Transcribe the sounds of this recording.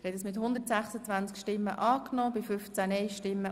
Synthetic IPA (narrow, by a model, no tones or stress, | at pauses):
hɛdəsmɪthʊnd̪ərtsæχsət͡svænt͡skʃtɪmːə̰ʔɑːknɔːbɪfʏft͡sænɛɪʃtɪmːə